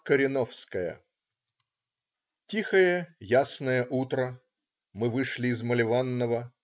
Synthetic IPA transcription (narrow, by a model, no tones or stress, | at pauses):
kəɾʲɪnofskəjə̰ | tʲixəjəjasnəjəʔut̪ɾə | mɨvɨʂlʲɪːzməlʲɪvanːəvə